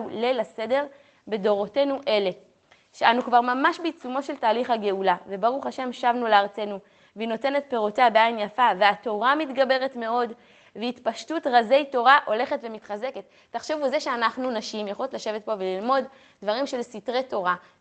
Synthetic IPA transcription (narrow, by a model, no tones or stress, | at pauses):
lelase̞de̞ʁ | be̞do̞ʁo̞te̞nuʔe̞le̞ | ʃeanukvaʁmamaʃbit͡sumo̞ʃeltaːliχhaɡe̞ulavebaʁuχaʃe̞mʃavnuleaʁt͡se̞nu | vino̞te̞ne̞t̪̚pe̞ʁoteabeajnjafaveato̞ʁamitɡabe̞ʁe̞tme̞o̞d | veitpaʃtutʁaze̞jto̞ʁaʔo̞le̞χe̞tve̞mitχaze̞ketːaχʃevuzeʃeanaχnunaʃimjeχolotlaʃe̞vet̚po̞velilmo̞d | dvaʁimʃe̞lsitʁeto̞ʁa